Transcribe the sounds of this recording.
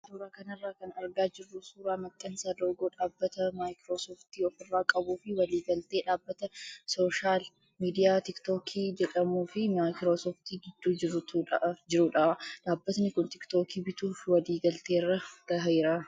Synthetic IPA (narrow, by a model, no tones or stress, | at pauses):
suːɾaːkɐnɐrːaːkɐnɐɾɡaːd͡ʒɪrːʊsuːɾaːmɐkʼːɐnsaːd̪oːɡoːᶑaːbːɐt̪ɐmaːjkɾoːsoːft̪iːɔfɪrːaːkʼɐbuːfɪwɐliːɡɐlt̪e̞ːᶑaːbːɐt̪ɐsoʃaːl | miːd̪ɪjaːt̪ɪkt̪oːkʰiːd͡ʒɛᶑʼɐmuːfɪmaːjkɾoːsoːft̪iːɡɪd̪ːuːd͡ʒɪɾ | d͡ʒɪɾuːᶑɐᶑaːbːɐt̪nɪkʊnt̪ɪkt̪oːkiːbɪt̪uːfwɐliːɡɐlt̪e̞ːrːɐɡ̥ɐɦɐɪɾaː